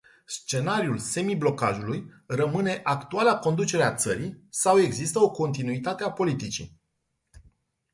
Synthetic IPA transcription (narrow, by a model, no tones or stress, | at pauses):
st͡ʃe̞naɾiulse̞miblo̞ka̰ʒulujrəmɨne̞ʔakt̪ualako̞nd̪ut͡ʃe̞ɾeat̪səɾisawe̞ɡzist̪əo̞ko̞nt̪inuit̪at̪e̞apo̞lit̪it͡ʃḭ